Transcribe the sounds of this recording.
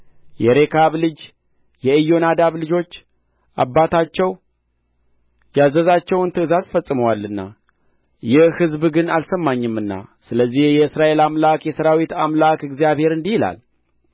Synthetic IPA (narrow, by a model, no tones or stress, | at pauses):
jɛɾe̞kʰaβlɨd͡ʒ | jɛɨjːo̞nad̪aβlɨd͡ʒo̞t͡ʃː | ʔabːat̪ʰat͡ʃːɛw | jazəzat͡ʃːɛwnt̪ʰɨɨzazfəsʼɨməwalːɨnːa̰ | jɛhhɨzbɡɨnalsəmːaɲːɨmːɨnːa̰sɨləzːihjɛɨsɾaʔe̞lamlakjɛsəɾawit̪amlakɨɡzijaβhe̞ɾɨnd̪ihila̰l